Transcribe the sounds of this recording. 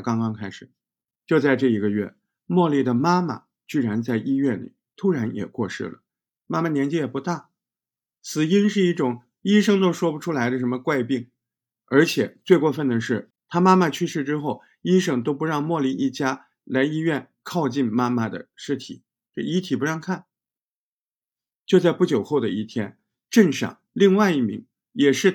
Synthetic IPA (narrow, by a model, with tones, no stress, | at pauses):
kɑ˥ŋkɑ˥ŋkʰa˥ɪʂɻ̩˨˩ | t͡ɕjo˥˧ʊt͡sa˥˧ɪʈ͡ʂɤ˥˩i˧˥ɡə˧ɥɛ̰˥˩ | mwɔ˥˧li˥˩d̪ə˩ma˥ma̰˨˩ | t͡ɕy˥˩ɻa˧˥nt͡sa˥˩ɪʔi˥ɥɛ˥˩nlḭ˨˩t̪ʰu˥ɻa˧˥njɛ̰˨˩kwɔ̰˥˧ʂɻ̩̰˥˩lə̰˩ | ma˥ma˨˩njɛ˧˥nt͡ɕi˥jɛ˨˩pu˧˥t̪a˥˩ | t͡sʰɹ̩˨˩i˥nʂɻ̩˥˧i˥˩ʈ͡ʂʊ˨˩˦ŋ | i˥ʂɤ˥ŋt̪o˥ʊʂwɔ˥pu˧ʈ͡ʂʰu˥la˧˥ɪd̪ə˧˩ʂə˧˥mə˧kwa˥˧ɪpi˥˩ŋ | ə˞˧˥t͡ɕʰjɛ˨˩˦t͡swe˥˧ɪkwɔ˥˧fə˥˩nd̪ə˩ʂɻ̩˥˩ | t̪ʰa˥ma˥ma˥˧t͡ɕʰy˥ʂɻ̩˥˩ʈ͡ʂɻ̩˥xo˥˩ʊ | i˥ʂɤ˥˩ŋt̪o˥ʊpu˧˥ɻɑ˥˧ŋmwɔ˥˩li˧˥nʔi˥˩t͡ɕja˥ | la˧˥ɪi˥ɥɛ˥˩n | kʰɑ˥˧ʊt͡ɕi˥˧nma˥ma˥˩d̪ə̰˩ʂɻ̩˥˩t̪ʰḭ˨˩˦ | i˧˥t̪ʰi˨˩pu˧˥ɻɑ˥˧ŋkʰa˥˩n | t͡ɕjo˥˧t͡sa˥˧ɪpu˥˩t͡ɕjo˨˩ʊxo˥˩ʊd̪ə˩i˥˩t̪ʰjɛ˥n | ʈ͡ʂə˥˩nʂɑ̰˨˩˦ŋli˥˧ŋwa˥˧ɪi˥˩mḭ˧˥ŋ | jɛ˨˩ʂɻ̩˥˩